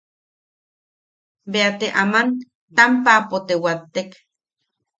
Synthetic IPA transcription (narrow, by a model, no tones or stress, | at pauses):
beat̪eʔaman | t̪ampapot̪ewat̪ːek